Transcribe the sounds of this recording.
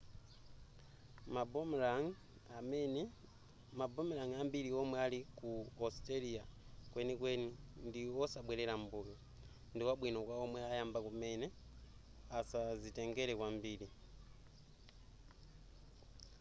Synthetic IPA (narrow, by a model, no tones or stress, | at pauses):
mabmaŋ | amn | mabɔmilaŋambiliɔmwɛalikuɔsteliakwɛnikwɛnindiwɔsaɓwɛlɛlambulɔ | ndiwaɓwinɔkwaɔmwɛajambakumɛnɛ | asazitɛŋɡɛlɛkwambili